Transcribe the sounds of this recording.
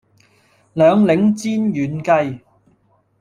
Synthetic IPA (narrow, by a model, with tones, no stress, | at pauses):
lœː˨˧ŋlɪ˨˥ŋt͡siː˥njyː˨nkɐ˧j